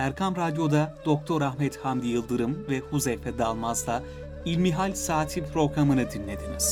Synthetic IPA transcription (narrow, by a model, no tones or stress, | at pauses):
æɾkʰamɾad̪jo̞d̪ad̪̥o̞k̚t̪ʰo̞ɾahmɛt̪hamd̪ijɯlˠd̪ɯɾɯmvɛhuzɛjfɛd̪alˠmazd̪a | ilʲmiɦalʲsaːt̪ʰipʰɾo̞ɡɾamɯnɯd̪inlːʲe̞d̪iniz̥